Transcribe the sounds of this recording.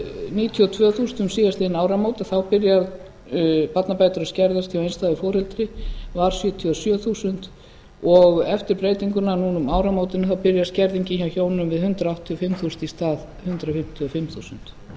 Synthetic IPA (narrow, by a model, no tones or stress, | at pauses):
niːt̪ʰiɔt̪ʰvœːθuːsnʏmsiːðast̪ɪɪnaːwɾamowt̪aθawpɪɾja | pat̪napaːjt̪ʏɾascɛɾðast̪ʰjiawejnst̪aːðɪfɔːɾɛlt̪ɾɪvaɾ̥sjœːt̪ʰiasjœːθuːsʏnt̪ | ɔɣɛft̪ɪɾpɾejt̪iŋkʏnanuːnʏmaːwɾamowt̪ɪnʏθawpɪɾjascɛɾðiɲcɪçawçoːwnɪʏmvɪðhʏnt̪ɾaawht̪ʰːiɔfɪmθuːsʏ̥nt̪ist̪aːð | hʏnt̪ɾafɪm̥t̪ʰiɔfɪmθusʏnt̪